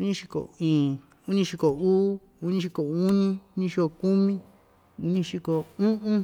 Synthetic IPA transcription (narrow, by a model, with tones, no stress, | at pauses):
u˧nĩ˧ʃi˧ko̰˨ĩː˨ | u˦nĩ˧ʃi˧ko˨uː˦ | u˧˦nĩ˧ʃi˧ko˨u˦nĩ˦u˦ɲĩ˧ʃi˧ko˧˨ku˦mĩ˦ | u˦ɲĩ˧ʃi˧ko˨ũ˦ʔũ˦